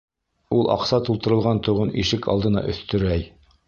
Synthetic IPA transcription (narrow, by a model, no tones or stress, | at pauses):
ulˠʔɑ̰qsɑt̪ulˠt̪ɤ̆ɾɤ̆lˠʁɑnt̪uʁɤnʔiʃɘkɑ̰lˠd̪ɤ̆nɑ̰ʔɵ̰̆θt̪ɵ̆ɾæj